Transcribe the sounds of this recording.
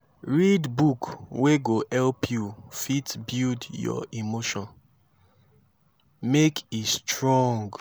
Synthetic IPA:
ɹidbukweɡohɛlpʰjufitbildjɔ̰imoʃɔ̃n | mekʰistɹɔ̃ŋɡ

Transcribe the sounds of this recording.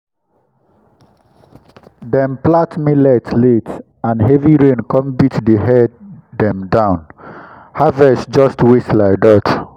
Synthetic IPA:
dɛ̃mplatmilɛtlet | ãnɦɛviɹẽnkɔ̃mbitdəɦɛddɛ̃mdãʊ̃n | havɛsd͡ʒɔstwislaɪdat

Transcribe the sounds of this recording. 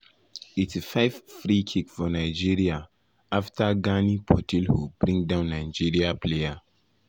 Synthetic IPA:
etʰifaɪvfɾikʰikfɔnaɪd͡ʒiɹia | aftʰaɡanipʰɔtʰilhubɾĩŋdãʊ̃nːaɪd͡ʒiɹiapʰleja

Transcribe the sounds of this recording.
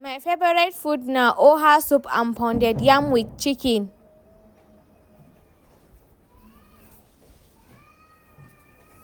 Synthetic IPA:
majfebɔɾatfudnaʔoɦasupʰã̰mpʰɔ̃ndɛdjamwit̚t͡ʃikĩn

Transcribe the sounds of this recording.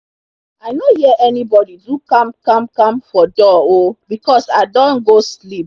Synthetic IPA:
aɪnohiɛʔɛnibɔdidukãmkãmkãmfɔdɔobikɔsaɪdɔ̃nɡoslip̚

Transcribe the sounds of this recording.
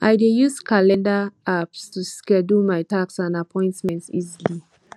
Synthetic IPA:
ʔaɪdejuskʰalɛ̃ndaapstuskɛdumaɪtaksãndapʰɔ̃ɪ̃ntmɛ̃ntsizili

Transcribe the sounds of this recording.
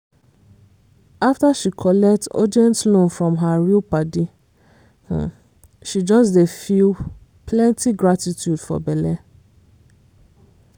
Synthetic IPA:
aftaʃikʰɔlɛk̚tɔ̰dɛ̃ntlõnfɹɔ̃mɦaɹilpadi | ʃid͡ʒɔsdefil | pʰlɛ̃ntiɡɹatitʰjudfɔ̰bɛlɛ

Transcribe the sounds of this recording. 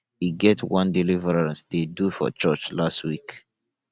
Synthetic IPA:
iɡɛtʰwãndilivəɹɹãnsdedufɔ̰t͡ʃɜt͡ʃlastwik

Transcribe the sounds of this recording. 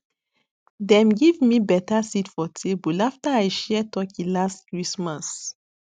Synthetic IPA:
dɛ̃mɡivmibɛtasitfɔtʰebulaftaajʃɛtɔkĩlastkɹismas

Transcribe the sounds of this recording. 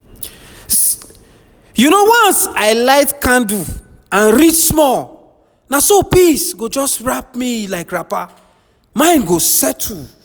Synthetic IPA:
junowɔ̃nsaɪlaɪtkãndu | ãnɾidsmɔl | nasopisɡod͡ʒɔstɹap̚milaɪkɹapa | mãɪ̃nɡosɛtʰu

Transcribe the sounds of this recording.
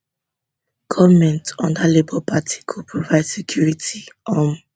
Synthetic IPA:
kʰɔmɛ̃ntɔ̃ndalebɔpatʰi̥kʰupʰɹɔvaɪd̥sɛkʰjuɹitiɔ̃n

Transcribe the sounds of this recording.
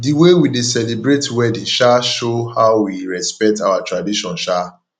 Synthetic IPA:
diwewidesɛlibɹetwɛdĩnʃaʃohaʊwiɹɛspɛk̚tawatɹadiʃɔ̃nʃa

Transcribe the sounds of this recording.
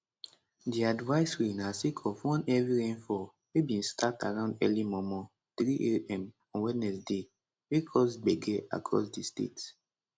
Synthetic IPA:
diadvaɪswinasikʰɔfwɔ̃nɛviɹẽnfɔ | webĩnstʰataɹãʊ̃ndɛlimɔmɔ | tɹiʔeɛ̃m | ɔ̃nwinɛsde | wikʰɔsbɛɡɛa̰kʰɹɔ̰sdistḛt

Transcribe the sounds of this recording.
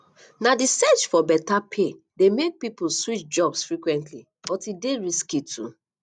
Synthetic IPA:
nadisɛt͡ʃfɔbɛtapʰe | demek̚pipuswit͡ʃd͡ʒɔbsfɹikwɛ̃ntli | bɔtideɹiskitʰṵ

